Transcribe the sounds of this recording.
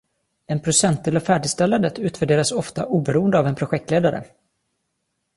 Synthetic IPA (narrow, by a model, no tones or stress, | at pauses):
ɛnpʰɾʊsɛnt̪̚ʰd̪ɪlɔfæːɖɪɡst̪ɛlːand̪ət̪ʰʉ̟ːt̪væɖeːɾasɔft̪aʔuːbɛɾuːənd̪əaːvɛnpʰɾʊɧɛk̚t̪leːd̪aɾə̰